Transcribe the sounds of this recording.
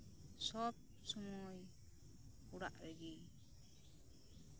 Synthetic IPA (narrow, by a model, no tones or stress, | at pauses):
sɔp̚ | sɔmɔj | puɽa̰ʔɾeɡi